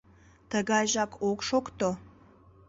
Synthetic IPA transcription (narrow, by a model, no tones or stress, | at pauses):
t̪əɣɑjʒɑkʰokʃokt̪o